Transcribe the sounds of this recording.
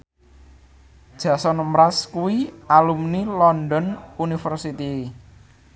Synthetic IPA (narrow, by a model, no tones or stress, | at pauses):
d̥ʒ̥ä̤sɔnəmɾaskuwialumnilɔndɔnunifərsit̪i